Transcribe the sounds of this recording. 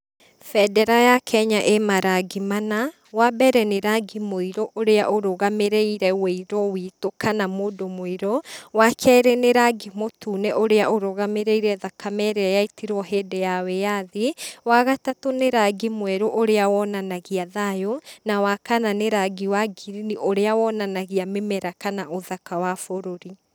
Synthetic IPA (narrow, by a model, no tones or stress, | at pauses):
fɛdɛɾajakʰɛɲaʔemaɾaɡimana | wabɛɾɛneɾaɡimoiɾoʔoɾeaʔoɾoɣameɾeiɾɛweiɾɔwitokʰanamoːdomoiɾɔwakʰɛɾeneɾaɡimotʰuneʔoɾeaʔoɾɔɣameɾeiɾɛðakamɛɾeajaitiɾɔɦɛːdɛjawɛjaðewaɣatatoneɾaɡimwɛɾoʔoɾeawɔnanaɣiaðajonawakananeɾaɡiwaɡiɾiniʔoɾeawɔnanaɣiamemɛɾakanaʔoðakawafoɾoɾi